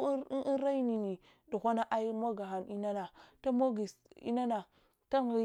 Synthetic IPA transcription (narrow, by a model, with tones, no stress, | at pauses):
ɾa˦jni˨ni˨ | du˨xʷa˦na˦ʔa˦i˦mo˦ɡa˨ɦa˨ni˦na˦na˨ta˦mo˦ɡi˨sḭ˦na˦na˨ | ta˦ŋ˨i˦